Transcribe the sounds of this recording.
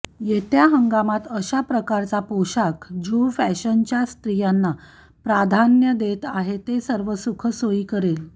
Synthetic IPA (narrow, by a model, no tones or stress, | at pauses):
jet̪jaɦəŋɡamat̪əɕapɾəkaɾt͡sapoɕakd͡ʑofæɕənt͡ɕjast̪ɾijanːa | pɾad̪ʱanjəd̪et̪aɦet̪esəɾʋəsukʰəsoiːkəɾel